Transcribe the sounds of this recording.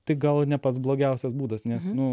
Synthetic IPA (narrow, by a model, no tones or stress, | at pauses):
t̪ɐɪɡɐlˠnʲɛpɐt̪sblˠoːɡʲɛʊsʲɛsbuːd̪ɐsnʲɛsnʊ